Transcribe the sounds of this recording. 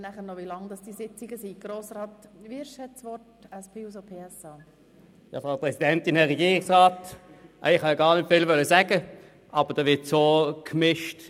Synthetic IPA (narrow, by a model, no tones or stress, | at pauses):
næχəɾnɔʋilɑŋd̥ɑsd̥isɪt͡siɡəsiɡ̥ɾoːsɾɑːt̪ʋɪɾʃhɛtsʋɔtɛspʰeːus̬opʰeːɛsɑ | jɑ̰fʁɑpʁɛsidɛntɪnɛʁɛɡiːʁɪksʁaːtʔæ̰ɪχhɑjɑɡɑːɐnɪtfɪlvœləsæɡ̥ə | ʔɑb̥əd̥ɛːʋɪɐtsoːkʰmɪʃt